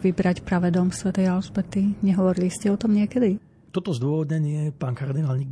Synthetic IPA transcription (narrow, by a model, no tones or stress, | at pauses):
ʋibɾacpɾaʋɛd̪ɔmsʋɛt̪ɛjalsbɛt̪iɲɛɦɔʋɔɾiliscɛɔt̪ɔmɲɪɛkɛd̪i | t̪ɔt̪ɔzd̪ʊɔʋɔd̪ɲɛɲɪɛpaːnkaɾd̪inaːlɲiɡ